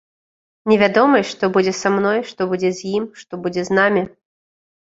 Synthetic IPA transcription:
nʲɛvʲad̪ɔmɐjʂt̪ɔbud͡zʲɛsamnɔjʂt̪ɔbud͡zʲɛzʲjimʂt̪ɔbud͡zʲɛznamʲi

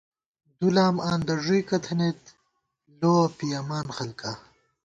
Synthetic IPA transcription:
d̪ulaːmaːnd̪ɐʐujkɐt̪ʰɐnet̪ | loːpijamaːnxɐlka

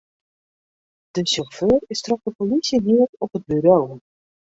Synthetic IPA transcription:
d̥əsɔχføːrɪstrɔχdəpolisiniətɔpəd̚byɾow

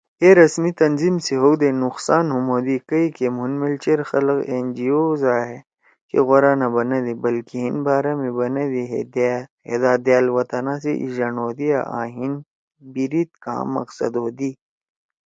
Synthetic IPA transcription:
eɾɐsmit̪ɐnzimseɦowd̪enʊxsaːnɦumoːd̪ikɐikemunmelt͡ʃeɾxɐlqend͡ʒioːzaːɦe | kḛɣoɾaːnɐbɐnɐd̪ibɐlkiɦinbaːɾamẽbɐnɐd̪iɦed̪ɦḛd̪aːd̪jaːlwɐt̪ɐnãːseʔḭʒɐnoːd̪ijaʔa̰ːɦin | biɾit̪̚ka̰ːmɐ̰qsɐ̰d̪oːd̪i

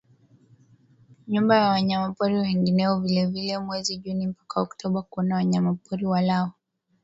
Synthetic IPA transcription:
ɲumbajawaɲamapuɾiwɛŋɡinɛɔvilɛvilɛmwɛziʄunim̩pḁkaɔktʰɔɓakuɔnawaɲamapɔɾiwalaɔ

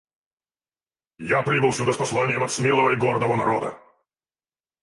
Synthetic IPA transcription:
japɾʲibɨlˠsʲʊd̪əspɐslˠanʲɪjəmɐt̪smʲelˠəvəɪɡord̪əvənɐ̰ɾod̪ə̰

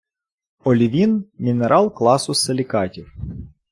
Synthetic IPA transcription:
ɔlʲiʋʲinmʲineɾʔɑlˠklˠɑsʊselʲikɑtʲiw

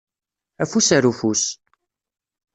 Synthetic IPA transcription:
æfusaɾufus

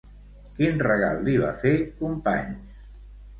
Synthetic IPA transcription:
kinrəɣa̰lˠːiβa̰fekumpa̰ɲs

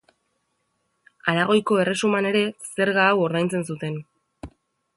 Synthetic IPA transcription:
aɾaɣ̞o̞jko̞e̞re̞sumane̞ɾe̞se̞ɾɣaːwo̞ɾðajnt͡se̞nsut̪e̞n

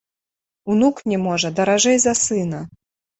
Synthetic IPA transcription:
unuknʲɛmɔʐɐd̪ɐɾaʐɛjzɐsɨnɐ

